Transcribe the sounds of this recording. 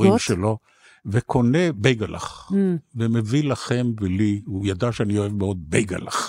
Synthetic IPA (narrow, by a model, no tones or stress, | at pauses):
iʃelo̞ | vekʰo̞ne̞bejɡalʔa̰χvemevilaχe̞mvelihujad̪aʃeanio̞e̞vmeo̞d̪̚bejɡa̰la̰χ